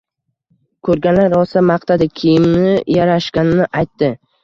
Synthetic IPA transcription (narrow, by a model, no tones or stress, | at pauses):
kʰɵɾɡʲanlaɾɒsamaqt̪ʰad̪ɪkʲʰijɪmnɪjaɾaʃkʲanɪnɪʔajt̪ːɪ